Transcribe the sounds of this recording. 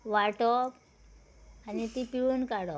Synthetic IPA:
ʋaʈɔ | anit̪ipiunkaɽɔ

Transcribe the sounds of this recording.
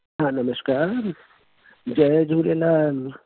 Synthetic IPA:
ɦãːnɐməsʃkaːɾ | d͡ʒɐd͡ʒʱuːɾelaːl

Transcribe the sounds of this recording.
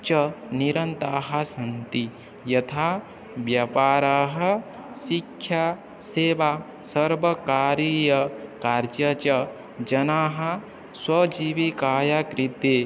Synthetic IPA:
t͡ʃɐniɾɐnt̪aːɦɐ̆sɐnt̪i | jɐt̪ʰaː | ʋjɐpaːɾaːɦɐ̆ | sikʰja | seːʋaː | sɐɾʋɐkaːɾiːjɐkaːɾd͡ʒɐt͡ʃɐ | d͡ʒɐnaːɦɐ̆ | swɐd͡ʒiʋikaːjakɾit̪eː

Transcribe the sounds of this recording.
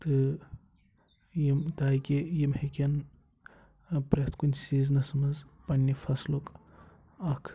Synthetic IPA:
t̪ɨ | jimd̪ajkejimhekʲen | pɾet̪ʰkunsiznɐsɐmɐzpɐnːifʰɐslok | akʰ

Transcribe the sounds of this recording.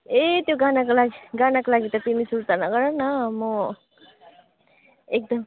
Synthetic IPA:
et̪joɡanakolaɡiɡanakolaɡit̪ʌt̪imisuɾt̪anʌɡʌɾʌnʌmʌ | ek̚d̪ʌm

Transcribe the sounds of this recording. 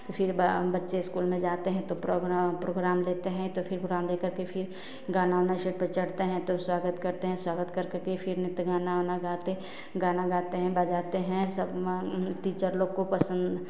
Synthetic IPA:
t̪opʰɪɾbbɐtːʃeɪskuːlmẽd͡ʒaːt̪eɦɛ̃t̪opɾoɡpɾoːɡɾaːmleːt̪eɦɛ̃t̪opʰɪɾpɾoɡɾaːmleːkɐɾkepʰɪɾ | ɡaːnaːʋnaʃeʈ̚pət͡ʃɐɽt̪eɦɛ̃t̪oswaːɡət̪kɐɾt̪eɦɛ̃swaːɡət̪kɐɾkəɾkepʰɪɾnɪt̪ɡaːnaʋnaɡaːt̪e | ɡaːnaɡaːt̪eɦɛ̃baːd͡ʒaːt̪eɦɛ̃sɐbʈiːt͡ʃəɾloɡkopɐsə̃nd̪

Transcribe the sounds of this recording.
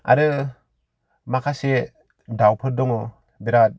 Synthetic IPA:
a̰ɾɯ | makʰase | dawpʰɯɾdɔŋɔ | beɾat̚

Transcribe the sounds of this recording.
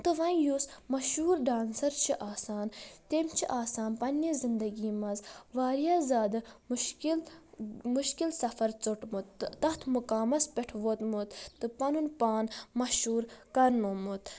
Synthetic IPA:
t̪ɨʋɐnjusmɐʃuːɾɖaːnsɐɾt͡ʃʰiʔaːsaːnt̪emt͡ʃʰiʔaːsaːnpɐnʲːizind̪ɐɡiːmɐzʋaːɾjaːzaːd̪ɨmkilmuʃkilsɐfɐɾt͡suʈmut̪ːɐt̪ʰmukaːmɐspeʈʰʋot̪mut̪ːɨpɐnunpaːnmɐʃuːɾkɐɾnoːmut̪

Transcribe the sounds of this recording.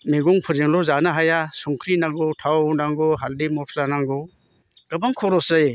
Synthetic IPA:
meɡɔŋpʰɯɾzeŋlɔzanaɦajasuŋkʰɾinaɡɔtʰawnaŋɡɔɦaldimɔtʰlanaŋɡɔ | ɡ̥abaŋkʰɔɾɔsaj

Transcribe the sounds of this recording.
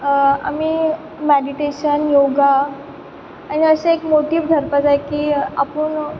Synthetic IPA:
a̰miː | meɽiʈeɕənjoɡa | aɽ̃iəɕãekmoʈiːʋd̪ʱəɾpət͡sajkiːapuɳ

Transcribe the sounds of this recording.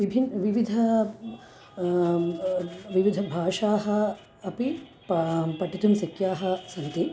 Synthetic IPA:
ʋibʱinʋiʋid̪ʱɐ | ʋiʋid̪ʱɐbʱaːʂaːɦɐ̆ | ɐpi | ppɐʈːit̪umsɐkjaːɦɐsɐnt̪i

